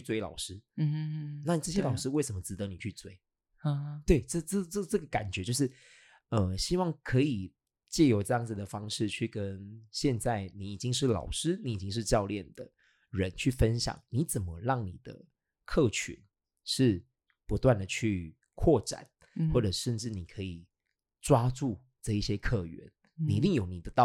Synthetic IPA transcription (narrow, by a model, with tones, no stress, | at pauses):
t͡ɕʰy˥˧t͡swe˥˧ɪlɑ̰˨˩ʊʂɻ̩˥˧ | na˥˩i˨˩ʈ͡ʂɤ˥˩ɕjɛ˥lɑ˨˩ʊʂɻ̩˥we˥˩ɪʂə˧˦mə˧˦t͡sɹ̩˧˥t̪ɤ˧˦ni˨˩t͡ɕʰy˥˧t͡swe˥˩ɪ˧ | t̪we˥˩ɪʈ͡ʂɤ˥ʈ͡ʂɤ˥˧ʈ͡ʂɤ˥˧ʈ͡ʂɤ˥˩ɡə˩ka˨˩nt͡ɕɥɛ˨˧˦t͡ɕjo˥˧ʊʂɻ̩˥˩ | ə˧˩ɕi˥wɑ˥˩ŋkʰɤ˧˥i˨˩ | t͡ɕjɛ˥˩jo˧˥ʊʈ͡ʂɤ˥˧jɑ˥˩ŋd͡z̩˨˩d̪ə˩fɑ˥ŋʂɻ̩˥˧t͡ɕʰy˥˩kə˦˥nɕjɛ˥˧nt͡sa˥˩ɪni˧˥i˨˩t͡ɕi˦ŋʂɻ̩˥˩lɑ̰˨˩ʊʂɻ̩˥ni˨˥i˨˩t͡ɕi˦˥ŋʂ̬ɻ̩˥˧t͡ɕjɑ˥˧ʊljɛ˥˩nd̪ə˩ | ɻə˧˦nt͡ɕʰy˥˩fə˦˥nɕjɑ̰˨˩˦ŋni˧˥˦t͡sə˨˩nmə˦ɻɑ˥˩ŋnḭ˨˩d̪̥ə̰˦ | kʰɤ˥˩t͡ɕʰy̰˨˦n | ʂɻ̩˥˩ | pu˧˥t̪wa˥˩nd̪ə˩t͡ɕʰy˥˧ | kʰwɔ˥˩ʈ͡ʂa̰˨˩˦n | xwɔ˥˩ʈ͡ʂɤ˨˩ʂə˥˧nʈ͡ʂɻ̩˥˩ni˨˩kʰɤ˧˥i˨˩ | ʈ͡ʂwa˥ʈ͡ʂu˥˧ | ʈ͡ʂɤ˥˧i˥˩ɕjɛ˥kʰɤ˥˩ɥɛ̰˧˦n | ni˨˧i˧t̪i˥˩ŋjo˨˩ʊni˨˩d̪ə˦t̪ɑ˥˨